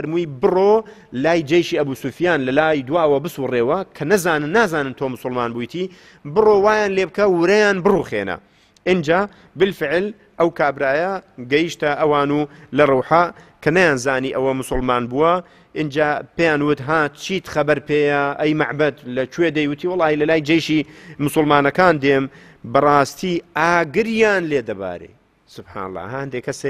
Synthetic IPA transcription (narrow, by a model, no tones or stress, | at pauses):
ɐɾmujbɨroːlaːjd͡ʒɐjʃiːɐbuːsuːfjaːnlɐlaːjd̪waːwɐbɨsureːwɐkʰɐnɐzaːnɨnːaːzaːnɨnt̪ʰoːmʊsʊlmaːnbuːjt̪ʰiː | bɨroːwaːjaːnleːb̚kɐwɪɾɐjaːnbɨruːxḛːnɐ̰ | ʔɪnd͡ʒaː | bɨlfɪʕl | ʔɐwkʰaːbɾaːjɐɡɐjiʃt̪ɐʔɐwaːnuːlɐruːħakʰɐnɐjaːnzaːniːʔɐwɐmʊsʊlmaːnbuwɐ | ʔɪnd͡ʒaːpeːjaːnwʊt̪ɦaːt̪̚t͡ʃʰiːt̪xɐbɐɾpeːjɐʔɐjmaʕbɐd̪lɐt͡ʃweːd̪ɐjwʊt̪ʰiːwɑlːɑːhilɐlaːjd͡ʒɐjʃiːmʊsʊlmaːnɐkaːnd̪eːm | bɐrˤɑːst̪ʰiːʔaːɡɨɾjaːnleːd̪ɐba̰ːɾḛ | sʊb̥ħa̰ːnɐ̰lˠˤːɑ̰ːɦhɐnd̪ekʰɐse